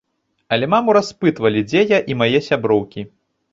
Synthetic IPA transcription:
ɐlʲɛmamuɾaspɨt̪vɐlʲid͡zʲejaʔimajɛsʲabɾɔwkʲi

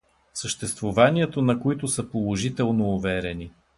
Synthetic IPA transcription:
səʃt̪ɛst̪vovaniɛt̪onɐkoit̪ʊsəpolˠoʒit̪ɛlˠnoːvɛɾɛni

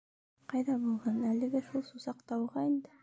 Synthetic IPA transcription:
qʰɑjd̪ɑbolˠʁɑnælɪɡʲɪʃulˠsusɑqt̪ɑwʁɑend̪ɪ

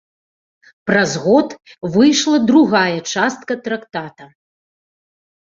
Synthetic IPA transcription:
pɾɐzɣɔt̪vɨjʂlˠɐd̪ɾuɣajɐt͡ʂast̪̚kɐt̪ɾakt̪at̪ɐ

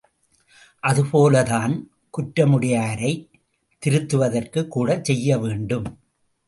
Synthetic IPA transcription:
ʔɐðɯpoːlɐðaːn | kʊʈɾɐmɯɽɪjaːɾɐɪ | t̪ːɪɾɯt̪ːɯʋɐðɐrkɯkːuːɽɐt͡ʃsɛjːɐʋeːɳɖɯm

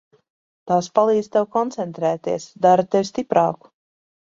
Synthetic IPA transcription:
t̪aːspalˠiːd̪z̥t̪ɛwkɔnt̪sɛnt̪ɾɛːt̪iɛsd̪aɾat̪ewʲst̪ipɾɑːku̥

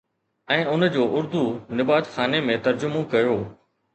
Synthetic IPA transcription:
ɛ̃ːʊnd͡ʑoːʔʊɾd̪unɪbaːt̪xaːnemẽt̪ɐɾd͡ʑʊmõkɐjoː

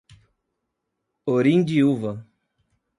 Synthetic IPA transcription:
oɾĩnd̪iuvɐ

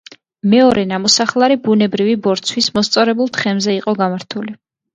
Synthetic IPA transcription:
mɛɔɾɛnamɔsaχlˠaɾibunɛbɾivibɔɾt̪sʰwismɔst̪sʼɔɾɛbulˠt̪χɛmzɛiqʼɔɡamaɾt̪ʰuli

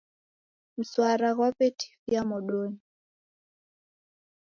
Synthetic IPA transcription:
m̩swaɾaɣwapetʰi̥fjamɔɗoɲi

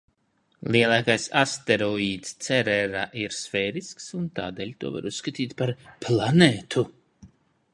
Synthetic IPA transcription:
lˠiɛlˠaːkajsa̰st̪ɛɾɔiːt̪st̪sɛɾɛɾaʔiɾsfɛːɾisksunt̪a̰ːd̪ɛːlʲt̪uɔva̰ɾusːkat̪iːt̪paɾplˠaneːt̪ʰu

